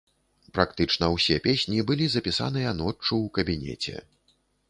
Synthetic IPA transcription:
pɾakt̪ɨt͡ʂnɐwsʲɛpʲesʲnʲibɨlʲizɐpʲisa̰n̪ɨjɐnɔt͡ʂuwkɐbʲinʲɛ̰t͡sʲɛ̰

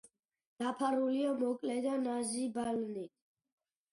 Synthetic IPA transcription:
d̪̥apʰaɾuliamɔkʼlɛd̪anazibalnit̪̚ʰ

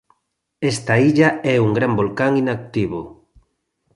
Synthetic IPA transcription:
ɛst̪aiʎaɛuŋɡɾambolkaŋinak̚t̪iβo

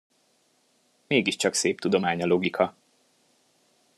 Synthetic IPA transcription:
meːɡiʃt͡ʃɒkseːp̚t̪ud̪o̞maːɲɒlo̞ɡikʰɒ

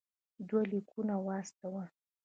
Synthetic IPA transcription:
d̪walikʰunawɑst̪awa

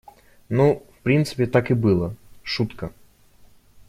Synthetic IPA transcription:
nufpɾʲint̪sɨ̥pʲɪt̪akɨbɨlˠəʂut̪kə

